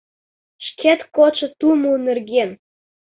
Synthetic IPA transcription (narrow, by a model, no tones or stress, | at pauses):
ʃkʰet̪kot͡ʃɤ̆t̪umunerɣen